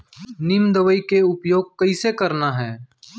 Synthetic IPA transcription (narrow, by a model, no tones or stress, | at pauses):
nɪmd̪əʋəikeʊpjoːɡ̚kəisekəɾnaɦɛː